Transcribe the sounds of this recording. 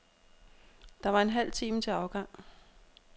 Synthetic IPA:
d̥ɑ̈ʋɑ̈e̝nɦæl̰t͡sʰiːmət͡sʰe̝ɑ̈ʊɡ̥ɑ̈ŋ̰

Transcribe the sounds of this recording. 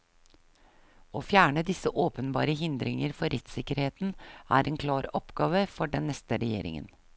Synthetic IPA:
oːfjæːɳəd̪ɪsəʔoːpənbɑ̰ːɾəɦɪnd̪ɾɪŋəɾfɔɾʔɛt̪sɪkəɾheːt̪n̩ʔæ̰ːɾʔɛeːnkʰlɑːɾɔpɡɑːʋəfɔɖɛnːɛst̪əɾɛjḛːɾɪ̰ŋə̰n

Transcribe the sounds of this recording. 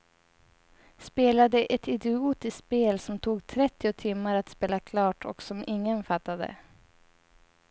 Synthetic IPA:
speːlad̪əʔɛt̪ɪd̪ɪuːt̪ɪsspeːlsɔmt̪ʰuːɡt̪ʰɾɛt̪ːɪʊt̪ʰɪmːaɾat̪speːlakʰlɑːʈʰɔ̰ksɔmɪŋːənfat̪ːad̪ə̰

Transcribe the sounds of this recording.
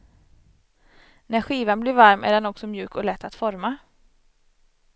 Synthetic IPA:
næɾɧiːvanblɪɾvaɾmæ̰ɖɛnɔksɔmjʉ̟ːkɔlɛt̪ːat̪fɔɾma

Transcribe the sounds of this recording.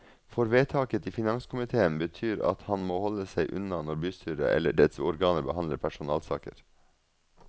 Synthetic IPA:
fɔɾʋeːt̪ʰɑːkət̪ʰifɪnɑŋskʰʊmɪt̪ʰeːənbət̪ʰyːɾɑ̰t̪hɑnmoːhɔləsæɪʔʉ̰nɑnɔɾbyːst̪ʰyːɾə̰ʔɛ̰lːəɖɛt̪sɔɾɡɑːnəbəhɑnd̪ləɾpʰæʂʊnɑːlsɑ̰ːkə̰ɾ

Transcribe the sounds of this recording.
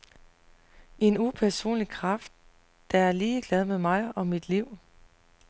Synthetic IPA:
e̝nupʰæɐso̝̰ːnlikʰʁɑfd̥̚ː | ææɐliːɡ̥lɛð̞ˠmeðˠmɑ̈ɪɒ̽mid̥liʊ̰

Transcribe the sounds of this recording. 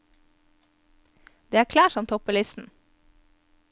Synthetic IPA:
d̪̥eːæːɾkʰlæːʃɔmt̪ʰɔpʰəlɪst̪n̩

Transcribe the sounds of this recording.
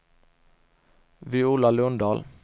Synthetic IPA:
ʋiːuːlɑlɵnd̪ɑːl

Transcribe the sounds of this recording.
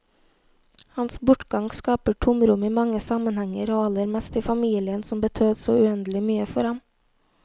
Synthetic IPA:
hɑnsbʊʈɡɑŋskɑːpəʈʰʊmɾʊmiːmɑŋəsɑmənhɛŋəɾoːɑləɾmɛst̪iːfɑmiːlɪənsɔmbət̪ʰøːd̪soːʉɛnd̪əlɪmyːəfɔɾhɑm

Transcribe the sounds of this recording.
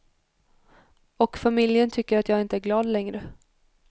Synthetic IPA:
ɔkfamɪljənt̪ʰʏkːəɾat̪jɑːɡɪnt̪əæɾɡlɑːd̪lɛŋɾə

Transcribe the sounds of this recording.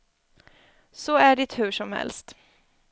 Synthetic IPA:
sɔæɖɪt̪hʉ̟ʂɔmhɛ̰lst̪

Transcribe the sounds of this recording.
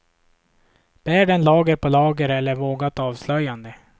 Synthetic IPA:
b̥æːɖɛnlɑːɡəɾpʰɔlɑːɡəɾɛlːəɾvoːɡat̪ɑːvslœjːand̪ə

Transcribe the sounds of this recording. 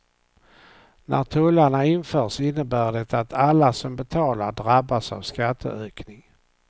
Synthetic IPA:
nʔæ̰ɾt̪ʰɵlːaɳaɪnfœːʂɪnːəbæːɖɛt̪aat̪ʰalːasɔmbɛt̪ʰɑːlaɾɖɾabːasa̰vskat̪ʰːə̰øːknɪŋ

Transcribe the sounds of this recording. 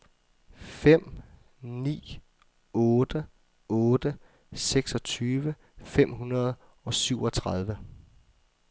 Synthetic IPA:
fem̰ | nḭː | ɔːd̥ə | ɔːd̥ə | seɡ̥sɒ̽t͡sʰyːʋə | fem̰hunɐð̩ˠ | ɒ̽syʊ̰ɒ̽t͡sʰʁɑð̞ˠʋə

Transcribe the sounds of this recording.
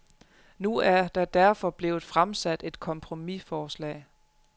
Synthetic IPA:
nuæɐd̥ɑ̈d̥æɐfɒ̽b̥le̝ːʊð̩ˠfʁamsæd̥e̝d̥kʰɒ̽mpʰʁo̝mifɒːslɛ̰ː

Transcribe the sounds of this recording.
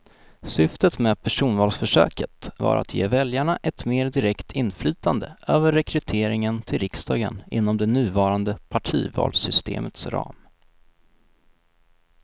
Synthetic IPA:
sʏft̪ət̪mɛːpʰæʂuːnvɑːlsfœʂø̰ːkət̪vɑ̰ɾʔa̰t̪ʰjeːvɛljaɳaʔɛt̪meːɾd̪ɪɾɛkt̪ʰɪnːflyːt̪and̪əʔøːvəɾːɛkʰɾɵt̪ʰeːɾɪŋənt̪ʰɪlɾɪkst̪ɑːɡə̰nɪ̰nːɔmd̪ɛnʉ̟ːvɑːɾand̪əpʰaʈʰiːvɑ̰ːlsʏst̪ʰḛːmət̪sɾɑ̰ːm

